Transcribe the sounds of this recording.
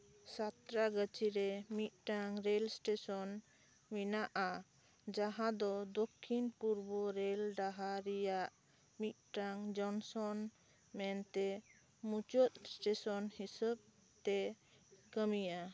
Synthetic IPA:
sat̪ɾaɡət͡ʃiɾɛmit̪̚ʈaŋɾelsʈesɔn | minaʔa | d͡ʒaɦãd̪ɔd̪okʰːinpuɾbɔɾelɖaɦaɾɛjaʔ | mit̪̚ˀʈaŋd͡ʒɔnsɔn | mɛnt̪ɛ | mut͡ʃɔt̪̚sʈesɔnhisəb̚ | t̪ɛ | kəmija

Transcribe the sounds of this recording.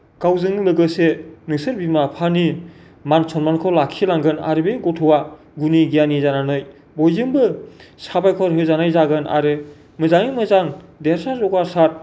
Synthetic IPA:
kawzɯŋlɯɡɯsenɯsɯɾbimapʰani | mansʰɔnmankʰɔlakʰilaŋɡɯna̰ɾɯbeɡɔtʰɔwa | ɡuniɡijanizananɯj | bɔjzɯŋbɯsabajkʰɔɾɦɯzanajzaɡɯnʔa̰ɾɯ | mɯzaŋimɯzaŋdeɾsazɔɡasaɾ

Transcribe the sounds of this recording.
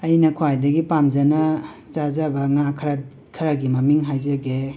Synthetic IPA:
ɐjnɐkʰuajdɐɡipamd͡ʒɐnɐ | t͡ʃazabɐŋakʰɾa | kʰɐɾaɡimɐmiŋɦajzɐɡe

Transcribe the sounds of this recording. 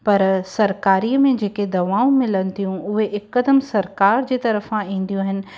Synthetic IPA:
pɐɾsɐɾkaːɾiːəmẽd͡ʑeːked̪ɐʋaːũmɪlənɪ̆t̪ijũʊɦeʔɪkːəd̪əmsɐɾkaːɾd͡ʑeːt̪ɐɾəfãĩːn̆d̪ijũɦɪnɪ̆

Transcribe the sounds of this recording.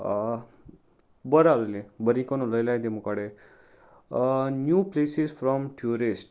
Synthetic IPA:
bəɾaləlebəɾĩkonõləjlajd̪emukaɽe | njuplesisfɾɔmʈʰjuɾisʈ

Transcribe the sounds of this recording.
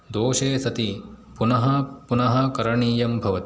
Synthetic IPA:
d̪oːʃeːsɐt̪i | punɐɦɐpunɐɦɐkɐɾɐɳiːjɐmbʱɐʋɐt̪i̥

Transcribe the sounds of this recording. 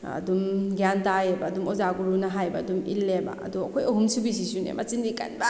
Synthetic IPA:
ɐ̰dumɡjantajebɐːdumɔzaɡuɾunɐɦajbɐːdumḭlːeba̰ɐ̰duɐkʰojɐɦumsubis̬isunḛma̰t͡ʃindika̰nba

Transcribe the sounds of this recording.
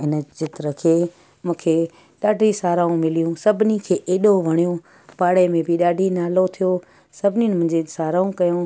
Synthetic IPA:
ɪnə̆t͡ɕɪt̪ɾəkʰeː | mũːkʰe | ɗaːɖʱisaːɾaːũmɪlijũsɐbʱɪnikʰeːʔeːɗoʋɐɽ̃ijõ | paːɽemẽbɪɗaːɖʱinaːlot̪ʰijo | sɐbʱɪniʊ̃nɪmʊ̃ɦɪ̃ɲd͡ʑesaːɾaːũkɐjõ

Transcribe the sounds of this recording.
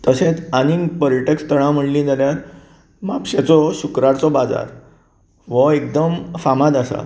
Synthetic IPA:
t̪əsẽt͡saninpɔɾiʈekst̪əɭ̃ãm̤əɳlĩːd͡zaljaɾ | mapɕet͡sɔɕukɾaɾt͡sɔbad͡za̰ɾ | ʋəek̚d̪əmfamãd̪asa̰

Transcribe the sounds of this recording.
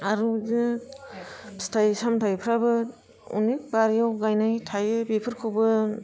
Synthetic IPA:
aɾu | stʰajsamtʰajpʰɾabɯ | ṵnik̚baɾijawɡajnajtʰajɯbipʰɯɾkʰɯwbɯ

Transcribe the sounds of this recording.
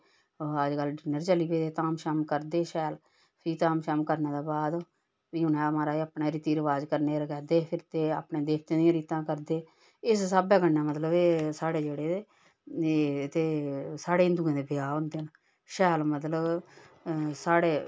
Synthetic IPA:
əd͡ʒkəlɖɪnəɾt͡ʃəliːpeːd̪eːt̪aːmʃaːmkəɾd̪eːʃɛːl | pʰiːt̪aːmʃaːmkəɾneːd̪aːbaːd̪ | ʋiːɦʊnɛ̃ːəmaːɾaːəːpneːɾiːt̪iːɾəʋaːd͡ʒkəɾneːɾəkɛːd̪eːpʰɪɾt̪eːa̰ːpnẽːd̪eːk̚ʰt̪ẽːd̪ijãːɾiːt̪ãːkəɾd̪eː | ɪssaːbɛːkənːaːmət̪ləbesaːɽeːd͡ʒeːɽeː | t̪eːsaːɽeːɪnd̪uːãːd̪eːbɪjaːɦʊ̃nd̪eːn | ʃɛːlmət̪ləb | saːɽeː

